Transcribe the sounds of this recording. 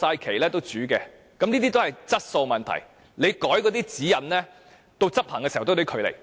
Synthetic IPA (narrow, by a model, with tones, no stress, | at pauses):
saː˧jkʰe˨˩jlɛː˥t̪o˥wt͡syː˨˥kɛː˧ | kɐ˨mniː˥t̪̬iː˥t̪o˥hjt͡sɐ˥t̚so˧wmɐ˨nt̪ʰɐ̰˨˩j | le˨˧jkɔː˨˥jkɔː˨˧t̪iː˥t͡siː˨˥jɐ˨˩nlɛː˥ | t̪o˧wt͡sɐ˥p̚hɐː˨˩ŋkɛː˧si˨˩wt̪t̪ːkʰɵ˨˧ɥlḛ˨˩j